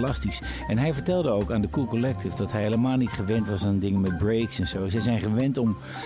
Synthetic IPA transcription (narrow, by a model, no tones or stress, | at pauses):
lɑstis | ɛnɦɛjvəɹtɛlˠdəowkaːndəkulˠkɔlɛk̚tɪfdɑtɦɛjɦeləmaːlˠnitχəʋɛntʋɑsaːndɪŋəmɛd̚brejksɛnz̥owsɛjzɛjnχəʋɛntɔm